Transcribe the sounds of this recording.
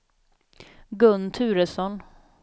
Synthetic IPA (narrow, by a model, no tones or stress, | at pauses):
ɡɵnːt̪ʰʉ̟ːɾəsɔn